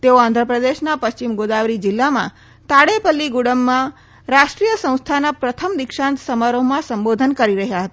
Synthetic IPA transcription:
t̪eoãnd̪ʱɾəpɾəd̪eʃnapəst͡ʃimɡod̪aʋɾid͡ʒɪlːamã̰ | t̪aɽepəlːiɡuɽəmːã | ɾaʃʈɾijəsə̃w̃st̪ʰanapɾət̪ʰəmd̪ɪkʃãnt̪səmaɾomãsəmbod̪ʱənkəɾiɾəɦjaɦət̪aa

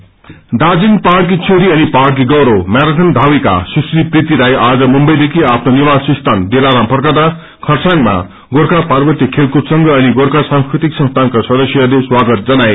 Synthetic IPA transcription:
d̪ad͡zinpark̬it͡sʰoɾiʌnipark̬iɡʌɾomaɾat̪ʰʌnd̪ʱawika̰susriprit̪iɾajʔad͡zʌmumbʌjd̪ekʰiapʰnonibasʌ̃st̪ʰand̪elaɾampʌrkad̪a | kʰʌrsaŋma̰ | ɡoɾkapaɾbʌrt̪ikʰelkupsʌŋɡʌːniɡoɾkasãŋskɾit̪iksʌ̃nst̪ʰankasʌd̪ʌsjʌleswaɡʌt̪̚d͡zʌnaj

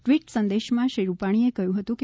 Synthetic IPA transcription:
ʈʋiʈsə̃nd̪eʃmãʃiɾupaɽ̃iekəjũɦət̪ũke

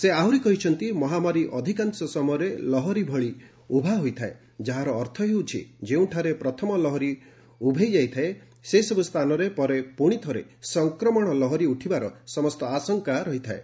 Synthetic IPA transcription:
seawɾikɔɦit͡ʃʰɔnt̪imɔɦamaɾiʔɔd̪ʱikansɔsɔmɔjɔɾelɔɦɔɾibʱɔɭi | ubʱaɦojt̪ʰae | d͡ʒaɦaɾɔːɾt̪ʰɔɦewt͡ʃʰḭd͡ʒeũʈʰaɾepɾɔt̪ʰɔmɔlɔɦɔɾi | ubʱejd͡ʒajt̪ʰae | sesɔbust̪ʰanɔɾepɔɾepuɽ̃it̪ʰɔɾḛsɔŋkɾɔmɔɽ̃ɔlɔɦɔɾiuʈʰibaɾɔsɔmɔst̪ɔasɔŋkaɾɔɦit̪ʰae

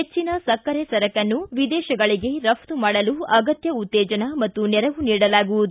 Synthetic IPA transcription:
ɦet͡ʃːinɐsɐkːɐɾesɐɾɐkɐnːuʋid̪ɛːʃɐɡɐɭiɡe̞ɾɐpʰt̪umaːɽɐluɐɡɐt̪jɐut̪ːɛːd͡ʒɐnɐmɐt̪ːunɛɾɐʋuniːɽɐlaːɡuʋud̪u

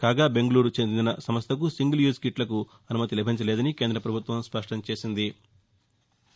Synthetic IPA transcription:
kaːɡaːbe̞ŋɡɐluːɾut͡ʃend̪ind̪inɐsɐmɐst̪ʰɐk̬usiŋɡiljuːskiʈlɐku | ɐnumɐt̪ilɛbʱɐɲt͡ʃɐlɛːd̪ɐnikeːnd̪ɾɐpɾɐbʱut̪ʋɐmspɐʂʈɐmt͡ʃe̞ːsind̪i

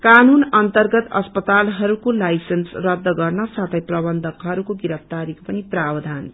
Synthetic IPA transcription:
kanunʌnt̪ʌrɡʌt̪ʌ̰spʌt̪alɦʌɾukolajsensrʌd̪ːʌɡʌrnʌsat̪ʰʌjprʌbʌnd̪ʱʌkɦʌɾukoɡiɾʌp̚ʰt̪aɾiko̥pʌniprabd̪ʱan

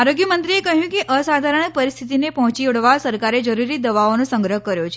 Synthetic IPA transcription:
aɾoɡjəmənt̪ɾiekəɦjũkeʔəsad̪ʱaɾəɳək̚pəɾist̪ʰit̪inepɔɦt͡ʃiɽʋasəɾkaɾed͡ʒəɾuɾid̪əʋaonõsəŋɡɾəɦkəɾjot͡ʃʰe

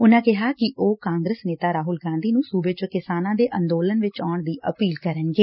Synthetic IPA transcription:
ʊnãːkɪɦaːkɪʔʔoːkãːŋɡɾəːsneːt̪aːɾaːɦʊlɡãːnd̪iːnũːsuːbeːt͡ʃəkɪsaːnãːd̪eːʔə̃nd̪oːlənʋɪt͡ʃaːɳd̪iːʔəpiːlkəɾənɡeː

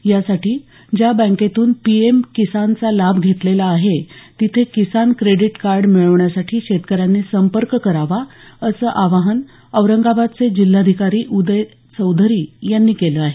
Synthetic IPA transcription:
jasaʈiː | d͡ʑjabə̃ket̪uːnpiemkisant͡salabʱɡʱet̪lelaːɦet̪it̪ʰekisankɾeɽiʈkaɾɖmiɭəʋɳjasaʈʰiːɕet̪kəɾjanːesəmpəɾkkəɾaʋaəsəːʔaʋaɦən | əʋɾəŋɡabad̪̚t͡sed͡ʑilːad̪ʱikaɾiːʔud̪əj | t͡səwd̪ʱəɾiːjanːiːkeləaɦe

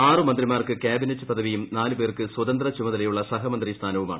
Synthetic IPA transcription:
aːrɨmɐnd̪rimaːrkɨkʲjaːbinɐtːɨpɐd̪ɐʋijumnaːlupeːrkɨswɐd̪ɐnd̪rɐt͡ɕumɐðɐlɐjuɭːɐsɐɦɐmɐnd̪rist̪ʰaːnɐʋumaːɳɨ

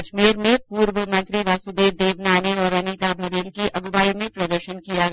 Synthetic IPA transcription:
t͡ʃmiːɾmẽpuːɾʋəmɐ̃nt̪ɾiʋaːsud̪eːʋd̪eːʋnaːneɔːɾɐnit̪abʱɐɾjənkiʔɐɡʋaːimẽpɾɐd̪əɾʃənkijaɡ

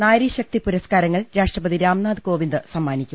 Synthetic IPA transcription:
naːjɾiɕɐk̚t̪ipuɾɐskaːɾɐŋːɐɭɾaːʂʈrɐpɐðiɾaːmnaːd̪ɨko̞ːʋind̪ɨsɐmːaːnikʲːum

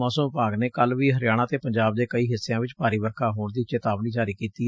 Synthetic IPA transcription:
ɔːsəmpaːɡneːkəlʋiːɦəɾɪjaːɽ̃ãːt̪eːpəɲd͡ʒaːb̚d̪eːkəiːɦɪsːejãːʋɪt͡ʃpaːɾiːbəɾkʰaːɦoːɳd̪iːt͡ʃeːt̪aːbniːd͡ʒaːɾiːkiːt̪iː

